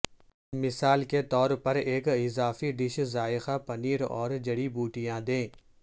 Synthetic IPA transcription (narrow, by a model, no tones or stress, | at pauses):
mɪsaːlket̪ɔːɾpɐɾeːkɪzaːfiɖɪʃzaːɪxapɐniːɾɔ̰ːɾd͡ʒɐɽibuːʈijãd̪ẽː